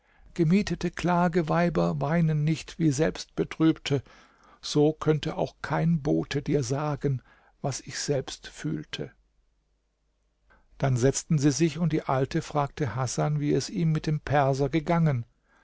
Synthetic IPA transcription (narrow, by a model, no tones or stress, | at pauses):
ɡ̥əmiːtətəkl̥aːɡəvaɪbɐvaɪnənːɪçtv̥iːzɛlpst̚b̥ətʁ̥yːptʰə | z̥oːkʰœntəʔa̰ʊxkʰaɪnboːtʰədiːɐzaːɡən | vasɪçz̥ɛlpstfy̰ːltʰə | d̥anzɛt͡stn̩ziːzɪçʊntd̥iːʔaltʰəfʁ̥aːk̚tʰəhasanviːɛsiːmːɪt̚d̥eːmpʰɛɐzɐɡəɡaŋən